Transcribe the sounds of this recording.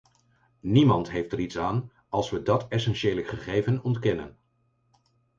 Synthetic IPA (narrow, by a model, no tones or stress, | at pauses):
nimɑntɦejftɛɾitsaːn | ɑlˠsʋədɑtɛsɛnʃeːləχəχejvənɔntkɛnə̰n